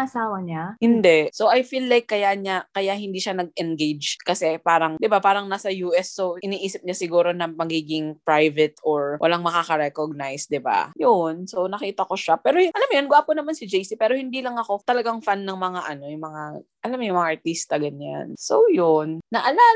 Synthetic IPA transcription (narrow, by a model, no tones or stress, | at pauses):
ʔɐsaːwɐɲahɪnd̪ɛsowʔɐjfiːlːajkːɐjaɲakɐjaʔhɪnd̪iːʃanɐɡ̚ʔɛnɡejd͡ʒkɐsɛpaːɾɐŋd̪ɪbapaːɾɐŋnaːsɐjuːʔɛsːoʔɪniːʔiːsɪp̚ɲasɪɡuːɾo̞nɐmɐɡiːɡɪŋpɾajvɛt̪ʔoɹwʔɐ̰laŋmɐkaːkɐɾɛkoɡ̚najsd̪ɪba̰jonsownɐkiːt̪ɐko̞ʃapɛːɾojʔɐlamjonɡʊʔaːponɐmansɪd͡ʒejsipɛːɾo̞hɪnd̪iːlɐŋɐko̞t̪ɐlɐɡaŋfanːɐŋmɐŋaʔɐno̞jʊŋmɐŋaʔɐlamjʊŋmɐŋaʔɐɹt̪ist̪ɐɡɐɲa̰nsowjonːɐʔɐla